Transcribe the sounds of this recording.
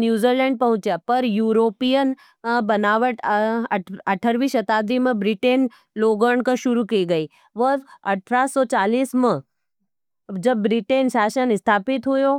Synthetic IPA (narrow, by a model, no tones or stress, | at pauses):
njuːzilɛ̃ːɳɖ̚pɐɦʊ̃t͡ʃjaːpɐɾjuːɾoːpijən | bɐnaːʋəʈ | ɐʈʰəɾʋiːʃɐt̪aːd̪ʱimẽbɾiʈeːn | loːɡəɳkaʃʊɾukiːɡɐi | ʋəɐʈʰɾaːsɔːt͡ʃaːliːsmə̃ | d͡ʒɐbːɾiʈeːnsaːʃənɪst̪ʰaːpɪt̪ɦujoː